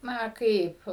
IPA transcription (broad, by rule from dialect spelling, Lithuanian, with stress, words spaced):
ˈnɐ ˈkɐɪp